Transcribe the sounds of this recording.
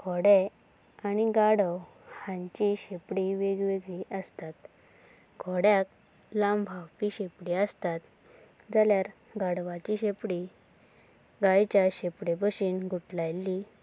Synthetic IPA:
ɡʰʱɔɽe | aniɡaɽəw | hãɲt͡ɕiɕepɽiʋeɡʋeɡɭiəst̪at̪ | ɡʰʱɔɽjak | lambʱawpiɕepɽiəst̪at̪ | d͡zaljaɾ | ɡaɽʋat͡ɕiɕepɽi | ɡajt͡ɕjaɕepɽebəɕiːnɡʱuʈlajlːi

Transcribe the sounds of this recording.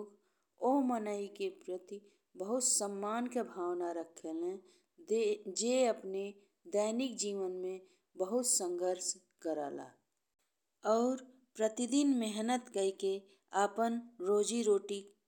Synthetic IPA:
k | omənəikepɾət̪i | bəɦʊt̪səmːaːnkebʱaːwnaɾəkʰːelẽ | d͡ʒeəpne | d̪əɪnɪk̚d͡ʒiːʋənmẽ | bəɦʊt̪sə̃ŋɡʱəɾʃ | kəɾa̰la̰ː | ɔːɾ | pɾət̪ɪd̪ɪnmɛɦnət̪kəike | aːpənɾoːd͡ʒiɾoːʈi

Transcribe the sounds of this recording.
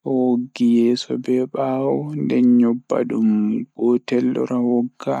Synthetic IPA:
woɡːijɛːsɔbɛɓaːwɔndɛɲɔbːa̰ɗumɡɔːtɛlːɔ̰ɾawɔɡːa̰

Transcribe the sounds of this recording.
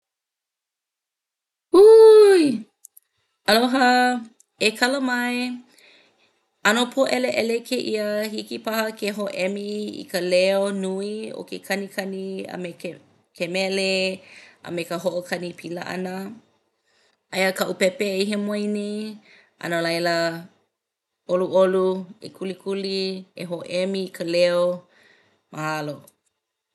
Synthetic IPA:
uj | ɐloɦɐ | ekʰɐləmɐe | ɐnopʰoʔɛleʔɛlekʰeʔiəhikipɐhəkʰeɦoʔɛmiḭkəleonuio̰kekʰɐnikʰɐniə̰me | kʰemɛle | ə̰mekəɦoʔokʰɐnipʰilɐʔa̰nə | ɐjəkɐʔupɛpeiɦemoajne | ʔɐ̰nəlɐjlə | oluʔoluḛkʰulikʰulieɦoʔɛmiːkʰəleo | mʔahalo

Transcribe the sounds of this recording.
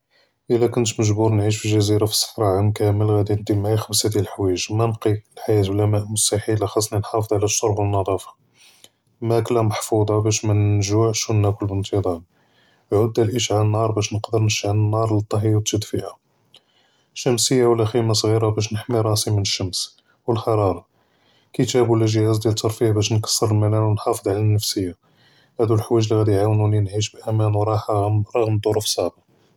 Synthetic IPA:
ʔəlːækʊnt̪məʒbuɾˤnʕiʃ̬fiʒæziɾafi̥sˤːə̥ħɾˤɑʕamkæməlɣæd̪ind̪imʕixæmsæt̪ilħwæʒmænbqilħajæt̪blæmæʔmʊst̪aħilæxɑsˤninħɑfəd̪ˤʕlæʃoɾˤbənːɑd̪ˤɑfɑ̥ | mæklæmaħfud̪ˤɑbæʃmænʒuʕʃunːækəlbənt̪əd̪ˤɑɾ | ʕud̪ːælʔiʃʕalənːɑɾˤbæʃnəqd̪əɾnəʃʕanənːɑɾˤlət̪ˤːɑɦijt̪ʒəd̪fihæ | ʃːəmsəjːawlːæximas̬ˤɣiɾabæʃ̬nəħmiɾˤɑsimənəʃːəms | wəlxɑɾˤɑɾˤɑ | kət̪æbulːəʒəhæzd̪jælt̪ːɑɾˤfihbæʃnkɑ̥sˤːəɾˤəlmælænwənħɑfəd̪ˤʕalænːəfsəjːa | hæd̪ulħwæʒliɣæd̪iʕawnulinʕiʃbʔæmænwɾˤɑħaɣmɾˤɑɣmd̪ˤoɾufsˤɑʕba

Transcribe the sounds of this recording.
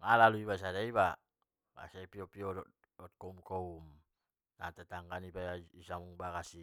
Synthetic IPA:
ŋalaluibas̬adaiβa | ba̰saipiɔpiɔdɔ | ɔt̪̚kɔumkɔum | nat̪ɛt̪aŋkanibaaisamuŋbakasi

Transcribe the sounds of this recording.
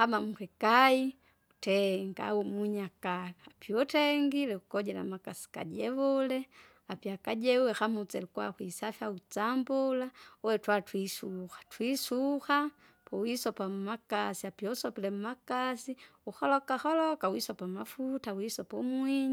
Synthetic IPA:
hamamukɛkai | utɛŋɡa̰wumuɲakalaːpiɔtɛŋɡilɛukɔɟɛla̰makasi̥ka̰d͡ʒɛβɔlɛ | apiakaɟɛuwɛxamut͡sɛlukuwa̰xwisafiaut͡sambɔlaɔwɛtwatwisuxḁtwisuxa | pɔwisɔpamumakasiapiɔsɔpilɛmumakasiuxɔlɔkaxɔlɔkawisɔpamafutawisɔpɔmwiɲi

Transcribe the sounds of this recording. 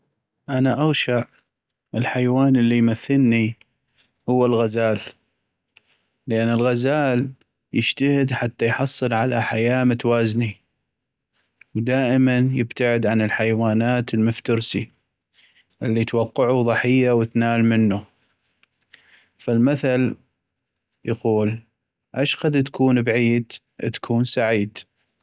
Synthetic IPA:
ʔanaʔaɣʃaʕ | ʔɪlħajwaːnəlːijmaθːɪlni | hʊwːalɣazaːl | ʔanːɪlɣazaːl | jɪʃt̪ahɪd̪ħat̪ːajħɑsˤːɨlʕalaħajaːmət̪waːzni | wd̪aːʔɪmanjɪbt̪aʕɪd̪ʕanɪlħajwaːnaːt̪lmʊft̪ʊɾsi | ʔɪlːit̪awɑqːɪʕuðˤɑħɪjːawət̪naːlmɪnːu | falmaθal | jaquːl | ʔaʃqɑd̪t̪ḁkuːnbaʕiːd̪ | ʔt̪kʰuːnsaʕiːd̪

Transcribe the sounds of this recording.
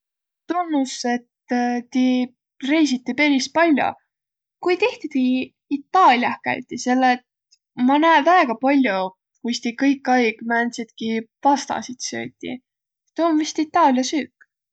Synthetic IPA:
t̪onːuse̞t̪t̪i | re̞jsit̪ːipe̞lis̚pɑlʲjo̰ | kujt̪iht̪it̪i | it̪ːɑːlʲjɑhkæ̰jt̪ʲːˑise̞lːet̪̚ | mɑnæevæeɡ̥ɑpɑlʲjo | kujst̪ikɤjkːˑɑjɡ̥mænsit̪̚kivɑst̪ɑ̰sit̪sø̰ːt̪ʲːˑḭ | t̪omvist̪it̪ːˑɑːlʲjɑsyːkː

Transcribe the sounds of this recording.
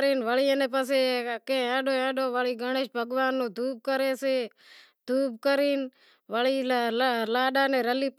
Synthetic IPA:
ɾiːnʋəɭiẽːneːp̬əs̬eːkẽːãːɗoːãːɗoːʋəɭiːɡəɳeʃbʱəɡʋaːnːũːd̪ʱuːb̚kəɾeːseː | d̪ʱuːbkəɾiːn | ʋəɭiːlalaːɗaːnẽːɾəliː

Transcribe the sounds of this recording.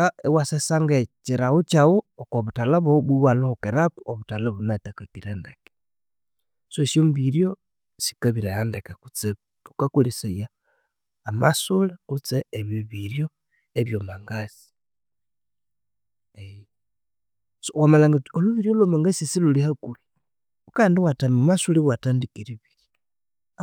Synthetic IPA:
aewasesaŋɡat͡ʃiɾawut͡ʃawuokoβutalaβoβuwalohukeɾakuoβutalaβunatakakiɾendeke̥ | sosjombiɾjo | si̥kaβiɾajandekekut͡se | βukakulisajaː | ma̰sulakut͡seeβiβiɾjo | eβjomaŋɡasi̥ | e | sowamalaŋɡatioluβiɾjolwomaŋɡasisilulihakuli | ukandiwatamomasuliwatandikiɾiβilj

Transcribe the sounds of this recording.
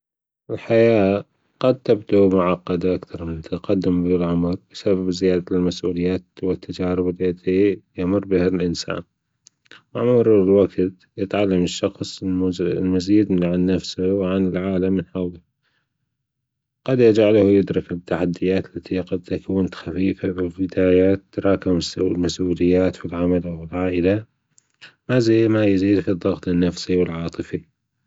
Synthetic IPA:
ʔɪlħajaː | qɑd̪̚t̪abd̪umʊʕɑqːɑd̪aʔakt̪ɑɾˤmɪnt̪tqɑd̪ːɪmbulʕamɾbɪsababzɪjaːd̪almasʔuːlɪjːaːt̪wɪt̪ːad͡ʒaːɾɪbɪlet̪ijamʊrˤːbɪhalʔɪnsa̰ːn | maʕmuːɾlwaɡt̪ | jɪt̪ʕalːamɪʃːɑxsˤlmaziːd̪ʕanːafsʊwʕanɪlʕaːlamːɪnħawla | qɑd̪jad͡ʒaʕlahjɪd̪ɾɪkt̪ːaħad̪ːɪjːaːt̪lːat̪ʰiqad̪̚t̪akawːɪnt̪xafiːfabɪlbɪd̪aːjaːt̪ːɾˤɑːkɪmɪslmasʔuːlɪjːaːt̪filʕamalawɪlʕaːʔɪla | mazimajziːd̪fid̪ˤːɑɣt̪ɪnːafsiwɪlʕɑːt̪ˤɨfi

